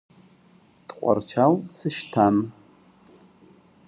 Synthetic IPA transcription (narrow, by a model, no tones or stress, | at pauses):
d̥qʷʼa̰rt͡ʃʰalsʰɨʃtʰan